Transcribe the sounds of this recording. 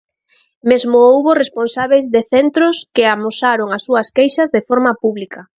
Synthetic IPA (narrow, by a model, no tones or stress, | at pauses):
mezmʊuβoresponsaβejzðeθent̪ɾʊskɪamosaɾoŋasːuɐskejʃɐzðefoɾmɐpuβlikɐ